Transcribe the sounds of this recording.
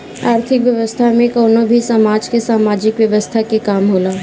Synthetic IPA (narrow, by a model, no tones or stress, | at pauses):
aːɾt̪ʰɪkʋjɐʋəst̪ʰamẽkɔːnobʱisaːmaːd͡ʒkesaːmaːd͡ʒɪkʋjɐʋəst̪ʰakekaːmɦoːlaː